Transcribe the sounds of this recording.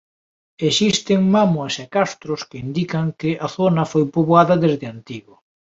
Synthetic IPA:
esist̪ɪŋmamoɐsekast̪ɾʊskɪind̪ikɐŋkɪʔɐθonɐfojpoβwaðɐðezðɪant̪iɣʊ

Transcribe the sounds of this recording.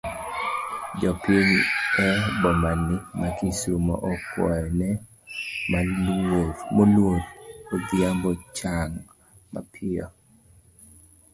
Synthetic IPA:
d͡ʒɔpjeniɛbɔmanːɪmakisumɔ̰ʔɔkwɔ̰ɛnɛ | malomolwotod̪ɪambɔt͡ʃaŋ | ma̰pʰɪɔ̰

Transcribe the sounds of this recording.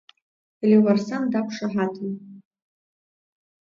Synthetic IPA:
eliwarsamdapʰʂaħatʰʼn

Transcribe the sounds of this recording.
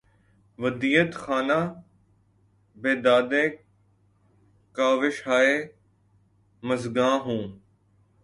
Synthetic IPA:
ʋəd̪iːət̪xaːnaː | beːd̪aːd̪eː | kaːʋɪʃɦaːeː | məzɡãːɦũː

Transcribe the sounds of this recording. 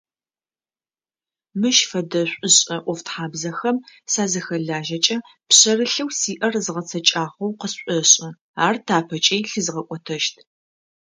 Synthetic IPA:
mɨʃfɐdɐɕʷʼʊɕʼɐʔʷɔftħaːbzɐxɐmsaːzɐxɐɮaːʒɐt͡ʃʼɐ | pɕɐrɨɬɨwsiːʔɐrzɨʁɐt͡sʰɐt͡ʃʼaːʁɐwqəsɕʷʼɔɕʼɪ | aːrtʰaːpʰɐt͡ʃʼejɬɨzɨʁɐkʷʼɔtʰɐʃtʰ

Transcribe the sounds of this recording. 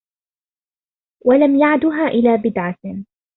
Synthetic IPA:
walamjaʕd̪ʊɦaːʔɪlaːbɪd̪ʕa

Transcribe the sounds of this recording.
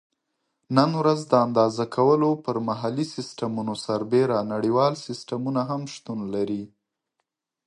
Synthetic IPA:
nənwɾazd̪əand̪ɑzakʰawəlopəɾmaɦalisɪsʈamunosaɾbeɾanaɽiwɑlsɪsʈamunaɦamʃt̪unlaɾi

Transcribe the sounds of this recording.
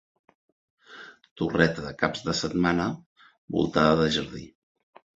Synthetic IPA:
t̪urɛt̪əðəkabzðəsət̪manə | bṵlˠt̪aðəðəʒəɾði

